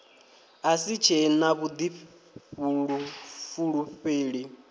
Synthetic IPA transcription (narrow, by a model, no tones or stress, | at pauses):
asit͡ʃʰɛnaβud̪i | βunufuɺuɸeːɺi